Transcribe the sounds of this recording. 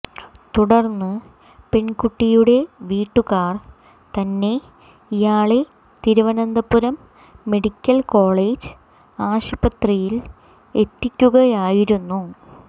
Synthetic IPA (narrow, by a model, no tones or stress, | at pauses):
t̪uɽɐrnːɨ | pe̞ɳkuʈːijuɽe̞ʋiːʈːukaːr | t̪ɐnːe̞ | ijaːɭe | t̪iɾuʋɐnɐnd̪ɐpːuɾɐmː | e̞ɽikʲːɐlko̞ːɭeːd͡ʑɨ̥ | aːɕɐbɐt̪rijil | e̞t̪ːikʲːuɣɐjaːjiɾunːu